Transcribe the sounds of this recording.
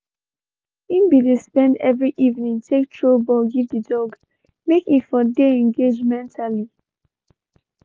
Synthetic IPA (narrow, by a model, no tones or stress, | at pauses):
ĩnbidespɛ̃ndɛvɹiʔivnĩŋtʰek̚tʰɹobɔɡivdədɔɡ | mekitfɔdeɛ̃ŋɡed͡ʒmɛ̃ntʰali